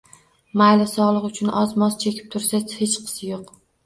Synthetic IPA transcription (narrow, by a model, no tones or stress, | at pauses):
majlɪsɒlˠɨqʊt͡ʃʰʊnɒzmɒz̥t͡ʃʰe̞kʲʰɪ̥p̚t̪ʰʊɾsahet͡ʃqʰɨ̥sɪjoq